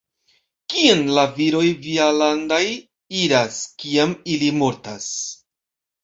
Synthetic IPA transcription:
kienlaviɾo̞jvialandaj | iɾaskiamilimo̞ɾtas

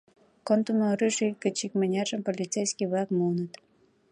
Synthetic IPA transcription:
kont̪umoɾyʃilkə̆t͡ɕikmənʲærʒəmpolʲit͡sejskʲijβlɑkmunət̪

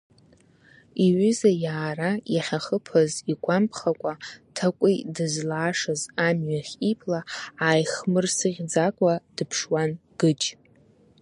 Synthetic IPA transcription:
iɥʏzajaːrajaχʲaχəpʰaziɡʷʼampʰχakʷʼatʰakʷʼidɨzlaːʂazamɥaχʲipʰʼlaaːjχmɨrsɨʁʲd͡zakʷʼad̥ɨpʰʂwanɡ̥ɨt͡ʃʼ

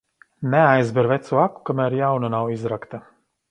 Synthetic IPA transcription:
nɛajzbɛɾvɛt̪suaku̥kamæɾjawnanawizɾakt̪a

